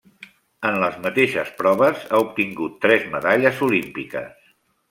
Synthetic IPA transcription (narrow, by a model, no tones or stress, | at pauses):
ənləzmət̪eʃəspɾɔβəzaup̚t̪iŋɡut̪ːɾɛzməðaʎəzulimpikə̰s